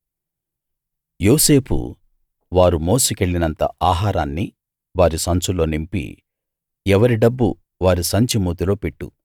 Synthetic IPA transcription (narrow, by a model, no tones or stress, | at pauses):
joːse̞ːpʰṵ | ʋaːɾumo̞ːsikeɭːinɐnt̪ɐ̰ʔaːɦaːɾaːnːḭ | ʋaːɾisɐnt͡ʃulo̞ːnimpḭ | ɛʋɐɾiɖɐbːṵ | ʋaːɾisɐɲt͡ʃimuːt̪ilo̞ːpeʈːṵ